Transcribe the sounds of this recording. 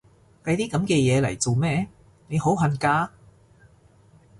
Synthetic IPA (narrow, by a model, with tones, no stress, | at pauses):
k̪ɐ˧jt̪iː˥kɐ˨˥mkɛː˧jɛː˨˧lɐ̰˨˩jt͡so˨wmɛː˥ | ne˨˧jho˨˥wɦɐ˨˩nkaː˧